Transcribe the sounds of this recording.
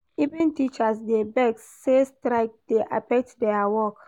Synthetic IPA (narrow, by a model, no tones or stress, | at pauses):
ivĩntit͡ʃasdebɛksːestɾaɪk̚d̥eʔa̰pɛk̚tdɛawɔk